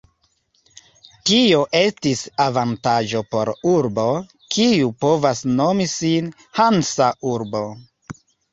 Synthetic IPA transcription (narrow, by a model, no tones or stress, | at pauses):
tio̞ʔe̞stisavantaʒo̞po̞ɾuɾbo̞ | kʰiupo̞vasno̞misin | hansaʔuɾbo̞